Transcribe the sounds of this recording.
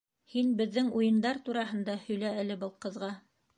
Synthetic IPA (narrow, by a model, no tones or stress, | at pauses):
hinbɘ̆ðːɘŋujɤ̆nd̪ɑɾt̪uɾɑɦɤ̆nd̪ɑhɵ̆jlæælɘbɤlˠqɤ̆ðʁɑ